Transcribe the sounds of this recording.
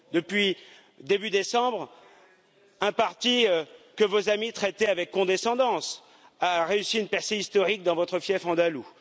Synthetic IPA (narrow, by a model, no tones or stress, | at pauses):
d̪əpɥi | d̪ebyd̪esɑ̃bʁ | ɛ̃paʁt̪iøkəvozamit̪χɛt̪ɛavɛkːɔ̃d̪esɑ̃d̪ɑ̃s | aʁeysiynpɛʁseist̪ɔʁik̚d̪ɑ̃vɔt̪χəfjɛfɑ̃d̪alu